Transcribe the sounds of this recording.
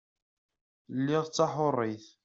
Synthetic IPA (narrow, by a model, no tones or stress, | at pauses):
lːiʁt͡sːɑħʊrˤːiθ